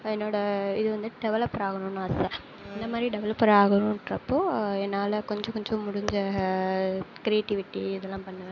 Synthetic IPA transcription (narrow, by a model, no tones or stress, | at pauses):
ɛnːoːɽɐɪðɯʋɐnd̪ɯɖɛʋɐlɐpːɾaːɣɐɳũnãːɐsɐ | ɛnd̪ɐmaːd̪ɾiɖɛʋɐlɐpːɐɾaːɣɐɳʊ̃ɾɐpːoːɛnːaːlɐkɔɲd͡ʒɔ̃kɔɲd͡ʒɔ̃mʊɽɪɲd͡ʒɐ | kɪɾɪeːʈːɪʋɪʈːiɪðɛlːãːpɐɳːɯʋɐ